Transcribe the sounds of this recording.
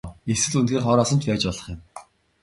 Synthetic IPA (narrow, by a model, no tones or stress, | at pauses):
eswɘ̆ɮunt̪ɡeːrχɔːɾɔːsə̆nt͡ɕpæːt͡ɕpɔɮə̆χjɪ̆m